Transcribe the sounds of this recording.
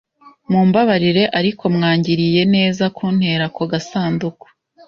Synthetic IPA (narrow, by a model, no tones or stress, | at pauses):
muːmbaβaɾiɾe̞ʔaɾikʰo̞mŋaːɲɟiɾije̞ne̞ːzakʰun̥he̞ːɾakoɡasaːnduko̥